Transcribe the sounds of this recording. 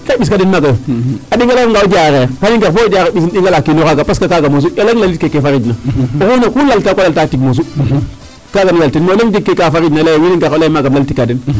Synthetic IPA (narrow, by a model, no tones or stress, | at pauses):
kaɓiskadinmaɡaadiŋɡalaŋɡaud͡ʒaɣepaniɡakbodaɣeis̬inɗiŋɡalakinokaɡapaskakaɡamos̬uoleŋlalit̚kekefaɾid͡ʒnaokunakulaltakolaltatikmos̬u | kaɡanjaltinmaeŋdikːekafaɾid͡ʒnalajwiniɡakolaimaɡamlaltikːadin